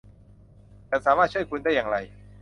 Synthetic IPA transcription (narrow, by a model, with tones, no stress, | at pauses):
kaː˧˩saː˩˦maː˥˩t̪̚t͡ɕu˥˩jkʰu˧nda˥˩jːaː˨˧ŋɾa˧j